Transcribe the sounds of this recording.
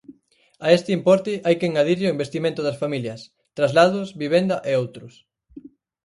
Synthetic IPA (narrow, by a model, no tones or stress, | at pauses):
ɐest̪ɪimpɔɾt̪ɪʔajkeŋaðiɾʎɪoimbest̪imẽnt̪ʊðɐsfamiljɐs | t̪ɾazlaðʊsbiβ̞end̪ɐʔeowt̪ɾʊs